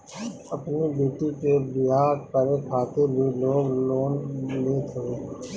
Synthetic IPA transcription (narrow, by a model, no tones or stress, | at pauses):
ɐpnibeːʈikebɪɦaːɾkəɾekʰaːt̪ebʱiloːɡloːnleːt̪ʰɐeː